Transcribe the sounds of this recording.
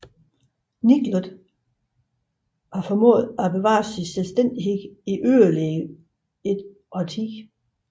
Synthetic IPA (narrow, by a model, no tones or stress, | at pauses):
niɡ̥loðˠ | ʋɑ̈fɒmɔ̰̽ːð̩ˠæb̥e̝ʋɑ̰̈ːsinselsd̥en̰d̥iɦe̝̥iʔøːɐle | ed̥ | ɒt͡sʰiɡ̥